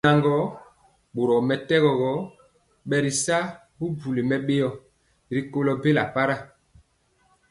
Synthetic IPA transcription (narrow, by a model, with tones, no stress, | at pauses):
a˨ŋɡɔ˦ | ɓo˨ɾɔ˨mɛ˨tɛ˦ɣɔ˨ɣɔ˨˦ | ɓɛ˨ɾi˨sa˦ | bu˦bu˨le˨mɛ˨ɓe˦jɔ˨ | ɾi˨ko˦lɔ˨be˦la̰˨pa˦ɾa˦˨